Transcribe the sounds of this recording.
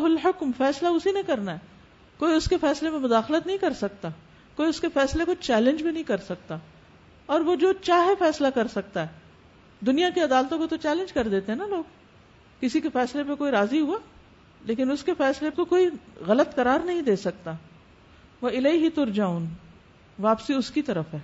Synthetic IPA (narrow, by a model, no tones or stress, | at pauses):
ɦʊlħʊkmfɛːslaʊsinẽkɐɾnaɦɛː | koːiʊskefɛːslemẽmʊd̪aːxlət̪nɐɦĩkɐɾsɐkt̪a | koːiʊskefɛːslekot͡ʃɛːlɪ̃nd͡ʒbʱinɐɦĩkɐɾsɐk̚t̪a | ɔːɾʋod͡ʒoːt͡ʃaːɦefɛːslakɐɾsɐk̚t̪aɦɛː | d̪ʊnijakeɐd̪aːlt̪õkot̪ot͡ʃɛːlɪ̃nd͡ʒkɐɾd̪eːt̪eɦɛ̃naloːɡ | kɪsikefɛːslep̬ekoːiɾaːziɦuaː | leːk̬ɪnʊskefɛːslekokoːiɣɐlət̪kɐɾaːɾnɐɦĩd̪eːsɐk̚t̪a | ʋoɪleːiɦit̪ʊɾd͡ʒaːʊn | ʋaːpsiʊskit̪ɐɾəfɦɛː